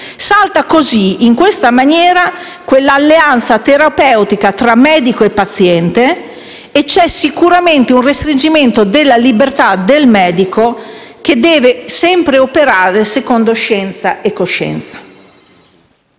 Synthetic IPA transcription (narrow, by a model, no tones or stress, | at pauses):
salt̪akoziiŋkwest̪amanjɛːɾa | kwelːaːlːeant̪sat̪eɾapɛwt̪ikat̪ɾamːɛːd̪ikoepːat̪sjɛnt̪eː | t͡ʃːɛsikuɾament̪eunrest̪ɾind͡ʒiment̪od̪elːalibert̪ad̪elmɛːd̪ikok̟ed̪ɛːvesɛmpɾeopeɾaːɾesekond̪oʃɛnt̪saʔekːoʃːɛ̰nt̪sḁ